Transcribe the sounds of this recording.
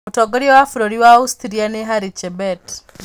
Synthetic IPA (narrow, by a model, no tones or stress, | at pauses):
utɔɡoɾjɔwafuɾoɾiwaustiɾianeɦaɾit͡ʃebɛt